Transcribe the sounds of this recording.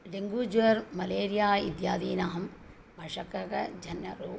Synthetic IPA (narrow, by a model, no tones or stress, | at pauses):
ɾeŋɡuːd͡ʒʋɐɾmɐleːɾijaːḭd̪jaːd̪iːnaːɐm | bɐʂɐkɐkɐd͡ʒʱɐnːɐ̰ɾuː